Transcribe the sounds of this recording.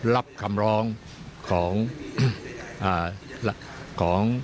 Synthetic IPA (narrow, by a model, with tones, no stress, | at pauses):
la˦˥p̚kʰa˧mɾɔː˦˥ŋ | kʰɔː˩˦ŋ | ʔaː˨˩lakʰɔː˩˦ŋ